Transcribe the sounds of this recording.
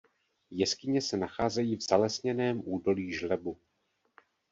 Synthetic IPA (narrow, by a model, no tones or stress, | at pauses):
jɛskɪɲɛsɛnaxaːzɛjiːvz̥alɛsɲɛnɛːmʔuːdo̞liːʒlɛbu